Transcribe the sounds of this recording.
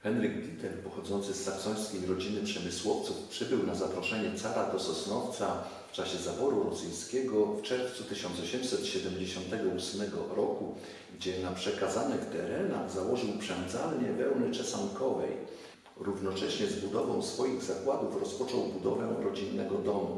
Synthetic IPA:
xɛnɾɘɡɡ̪ʲit̪ɛɾpɔxɔd̪zɔnt̪sɘsːaksɔj̃skʲejɾɔd͡ʑinɘpʂɛmɘswɔft̪sufpʂɘbɘwnazapɾɔʂɛɲɛt̪saɾad̪ɔsɔsnɔft̪sa | t͡ʂaɕɛzabɔɾuɾɔsɘj̃skʲɛɡɔft͡ʂɛɾft̪sut̪ɘɕɔnt̪sɔɕɛmsɛt̪ɕɛd̪ɛmd͡ʑeɕɔnt̪ɛɡɔusmɛɡɔ̰ɾɔku | ɡd͡ʑɛnapʂɛkazanɛkt̪ɛ̰ɾɛna̰zawɔʐɘwpʂɛnd̪za̰lɲɛvɛwnɘt͡ʂɛsankɔvɛ̰j | ɾuvnɔt͡ʂɛɕɲɛzbud̪ɔvɔ̃w̃sfɔjiɣzakwad̪ufɾɔspɔt͡ʂɔwbud̪ɔvɛɾɔd͡ʑinːɛɡɔd̪ɔmu

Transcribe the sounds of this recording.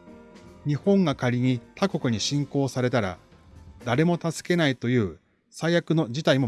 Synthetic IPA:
ɲ̟ihõ̞ŋɡakaɾʲiɲ̟it̪ʰako̞kɯ̟ɲ̟iɕĩŋko̞ːsaɾe̞t̪aɾa̰ | d̪aɾe̞mo̞t̪azɨ̥ke̞nait̪o̞jɯ̟ː | saijakɯ̟no̞d͡ʑit̪aimo

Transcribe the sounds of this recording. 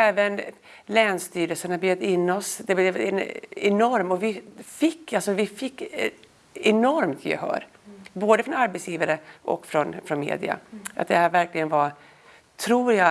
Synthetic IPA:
ɛːvən | lɛːnst̪yːɾəlsənabed̪ɪnːɔsd̪ɛɛɛnɛnɔɾmɔvɪfɪkːalsɔvɪfɪkː | ɛnɔɾmt̪ʰjɛ̰hœ̰ːɾ | boːd̪əfɾɔnaɾbɛt̪sjiːvaɾəʔɔ̰kːfɾɔnfɾɔnmḛːd̪ɪ̰a̰ʔa̰t̪̚d̪ɛhæːɾvæɾklɪɡənva | t̪ʰɾuːɾjɑ

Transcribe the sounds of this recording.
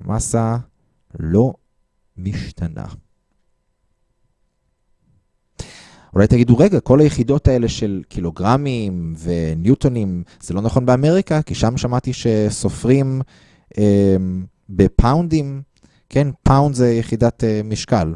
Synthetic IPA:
mʔasa | lo̞ | miʃt̪ʰanʔa̰ | ʔulajt̪aɡiduʁe̞ɡako̞lajeχido̞tae̞le̞ʃe̞lkʰilo̞ɡʁamimve̞njut̪o̞nimz̥elo̞naχo̞nbeameʁikakiʃamʃamat̪iʃe̞so̞fʁim | ʔe | bepʰawndim | kʰe̞npʰawndzejeχidatemiʃkal

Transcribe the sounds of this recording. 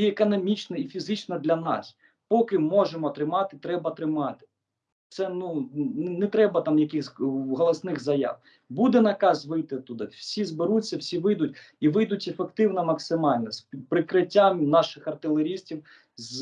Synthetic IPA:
iekɔnɔmʲit͡ʃnɐifʲizɪt͡ʃnɐd̪lʲɐnɑ̰s | pɔkɪmɔʒemɔt̪ɾɪmɑt̪ɪt̪ɾɛbɐt̪ɾɪmɑt̪ɪ̥ | t̪sɛnunɛnɛt̪ɾɛbɐt̪ɑmjɐkɪxzʲɦɔlˠɔsnɪɣzɐja̰w | bud̪ɛnɐkɑzʋɪjt̪ɪt̪ʊd̪ɪwsʲizbɪɾut͡sʲːɐwsʲiʋɪjd̪ʊtʲiʋɪjd̪ʊtʲefekt̪ɪwnɐmɐksɪmɑlʲnɔsʲpɾɪkɾɪtʲːamnɑʃɪxɐrt̪ɪlˠeɾʲisʲtʲiw | z

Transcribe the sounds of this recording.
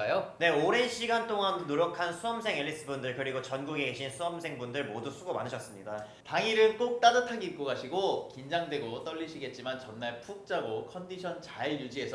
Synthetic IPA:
ajone̞oɾenɕʰiɡantʰoŋandonoɾjʌkʰansʰuʌmsʰe̞ŋeɭːis͈ɯbundɯɭkɯɾiɡot͡ɕʌnɡuɡeɡe̞ɕʰinsʰuʌmsʰeŋbundɯɭmodusʰuɡoma̰nɯɕʰʌs͈ɯmɲida | taŋiɾɯnk͈ok̚t͈adatʰaɡik͈oɡaɕʰiɡokind͡ʑaŋdwe̞ɡot͈ʌʎːiɕʰiɡe̞t̚t͡ɕ͈imant͡ɕʌnːaɭpʰuk̚t͡ɕ͈aɡokʰʌndiɕʰʌnt͡ɕajud͡ʑiɦe̞sʰʌ

